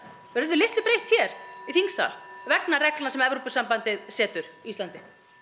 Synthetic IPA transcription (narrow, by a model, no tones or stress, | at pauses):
vɛɾʏɾðʏlɪht̪lʏpɾejht̪çɛɾ̥iθiŋsa̰lvɛknaɾɛklanasɛmɛvɾopʏsampant̪ɪðsɛːt̪ʏɾ̥ist̪lant̪ɪ